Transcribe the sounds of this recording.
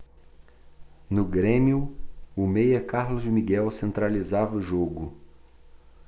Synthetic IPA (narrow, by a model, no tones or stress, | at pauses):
nʊɡɾẽmiʊʊmejɐkaɾlʊzd͡ʒɪmiɡɛwsẽnt̪ɾalizavɐʊʒoɡʊ